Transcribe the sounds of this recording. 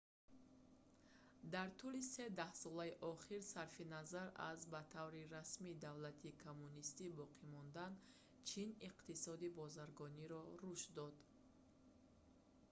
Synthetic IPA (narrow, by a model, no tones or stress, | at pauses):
d̪aɾt̪ʰulise̞d̪ahsɔlaiʔɔχiɾsaɾfinazaɾa̰zbat̪ʰavɾiɾasmid̪avlat̪ʰikʰomːunist̪ibɔqʰimɔnd̪an | t͡ʃʰiniqt̪isɔd̪ibɔzaɾɡɔniɾɔɾuʃd̪ɔd̪